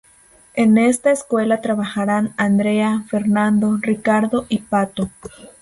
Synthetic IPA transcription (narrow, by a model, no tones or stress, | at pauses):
enest̪aeskwelat̪ɾaβaxaɾanand̪ɾeafeɾnand̪orikaɾðoʔipat̪o